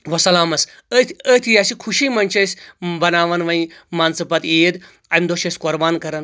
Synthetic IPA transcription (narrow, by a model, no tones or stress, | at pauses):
ʋɔsɐlaːmɐs | ət̪ʰət̪ʰijasikʰuʃiːmɐnt͡ʃɐsʲbɐnaːʋɐnʋɐĩmansɐpɐt̪ed̪ | ɐmd̪oʃesʲkoɾbaːnkɐɾɐn